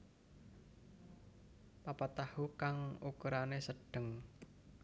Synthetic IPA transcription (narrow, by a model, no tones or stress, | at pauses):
papat̪ahukaŋukəɾanesəɖ̥əŋ